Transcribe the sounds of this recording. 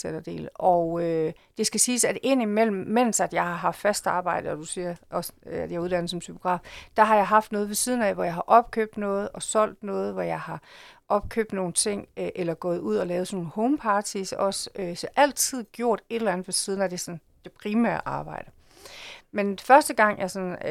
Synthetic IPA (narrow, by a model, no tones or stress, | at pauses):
seɾ̥ɐd̥e̝̰ːlɒʊø | d̥e̝sɡ̥æsiːsæde̝n̰imel̰m̩ːen̰sæd̥jɑ̈ɪhɑ̈ɦɑ̈ffæsd̥ɑ̈ːb̥ɑ̈ɪ̰d̥əɒd̥usiɐɒsæd̥jɑuð̞ˠd̥ænð̩sɒ̽mt͡sʰypʰoɡ̥ʁɑ̰̈ːfd̥ɑ̈ɦɑ̈jɑ̈ɪɦɑ̈fd̥nɔ̽ːð̞ˠʋe̝siːð̞ˠn̩æʋɒjɑ̈ɪɦɑ̈ʔɒ̽b̥̚kʰø̰b̥̚d̥nɔ̽ːð̞̩ˠɒ̽sɒ̽l̰d̥nɔ̽ːð̞̩ˠʋɒjɑ̈ɪhɑ̈ʔɒ̽b̥kʰø̰b̥̚d̥no̝ːn̩t͡sʰe̝ŋ̰ʔelɐɡ̥ɔ̽ːð̞ˠuð̞̰ˠɒ̽lɛːʊð̞̩ˠsnoːn̩hɔʊmpʰɑ̈ːt͡sʰisɒ̽søsɒʔæl̰t͡sʰið̞̰ˠɡ̥jo̝ɐ̰d̥e̝ɾ̥elænð̩ˠʋe̝siðˠn̩æd̥e̝sɒ̽n | d̥e̝pʰʁimæ̰ɐ̰ʔɑ̈ːb̥ɑ̈ɪd̥ə | menfɶɐsd̥əɡ̥ɑ̈ŋ̰jɑ̈sɒ̽n